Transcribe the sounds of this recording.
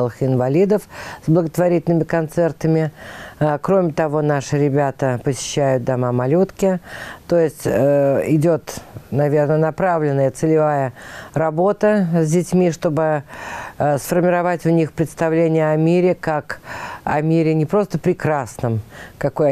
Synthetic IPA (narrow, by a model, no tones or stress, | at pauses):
lˠəxɪnvɐlʲid̪əfzblˠəɡət̪vɐɾʲitʲɪlʲnəmʲɪkɐnt̪sɛrt̪əmʲɪ | kɾo̞mʲɪt̪ɐvo̞naʂɨɾʲɪbʲat̪əpəsʲɪ̥ɕːæjʊt̪̚d̪ɐmamɐlʲut̪kʲɪt̪o̞jɪsʲtʲɪdʲo̞t̪nɐvʲe̞rnənɐpɾavlʲɪnːəjət̪sɨlʲɪvajərɐbo̞t̪əzʲdʲɪtʲmʲiʂt̪o̞bɨ | sfərmʲɪɾɐvatʲvnʲixpɾʲɪt̪st̪ɐvlʲenʲɪjəɐmʲiɾʲɪkakɐ̰mʲiɾʲɪnʲɪpɾo̞st̪əpɾʲɪkɾasnəmkɐko̞j